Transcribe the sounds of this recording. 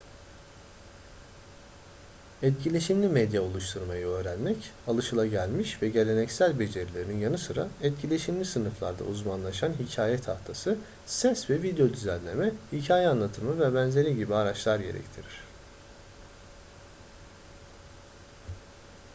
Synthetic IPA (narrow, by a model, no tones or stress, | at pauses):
ɛt̪̚cʰilʲeʃimlʲimɛd̪jao̞lˠuʃt̪ʰuɾmajɯø̞ːɾænmɛcalˠɯʃɯlˠaɟælʲmiʃvɛɟe̞lʲe̞nɛcsælʲbe̞d͡ʒe̞ɾilʲe̞ɾininjanɯsɯɾa̰ɛt̪̚cʰilʲe̞ʃimlʲisɯnɯflˠa̰ɾd̪a̰uzmanlˠaʃanɦicʰaːjɛt̪ʰaft̪ʰasɯ | sɛsvɛvid̪ejo̞d̪yzænʲlʲe̞mɛhicʰaːjɛanlˠat̪ʰɯmɯvɛbænze̞ɾiɟibiaɾat͡ʃlˠaɾɟe̞ɾɛ̰ct̪ʰiɾiɾ̝̥